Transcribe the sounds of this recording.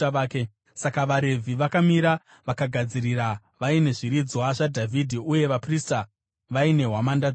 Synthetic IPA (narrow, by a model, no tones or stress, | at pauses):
ke | sakaʋaɾe̞vʱiʋakamiɾa | ʋakaɡʱad͡ziɾiɾa | ʋaine̞ʐiɾid͡zwaʐadʱavʱidʱiuje̞ʋaprista | ʋaine̞ɦwamanda